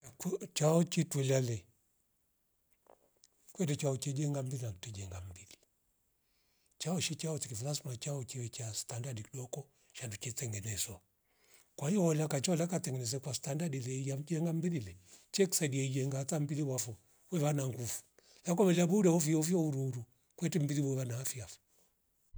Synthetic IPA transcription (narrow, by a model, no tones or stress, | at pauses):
akt͡ʃaɔt͡ʃitwɛlalɛ | kwɛdɛt͡ʃaɔt͡ʃɛd͡ʒɛŋɡambilinakitɛd͡ʒɛŋɡam̩bili | t͡ʃaɔʃit͡ʃaɔtikifulasmat͡ʃaɔt͡ʃiwɛt͡ʃastandadikiɗɔkɔ | ʃandut͡ʃɛtɛŋɡɛnɛswa | kwaiɔɔlakat͡ʃaɔlakatɛŋɡɛnɛs̬ɛkwastandadilɛijad͡ʒɛŋɡambililɛt͡ʃɛku̥sadiaid͡ʒɛŋɡaːtambiliwafɔ | wɛβanaŋɡufu̥ | lak̬ɔmɛlabudaɔviɔvjɔuɾuɾu | kwɛtɛmbiliwɛβanaːfiafḁ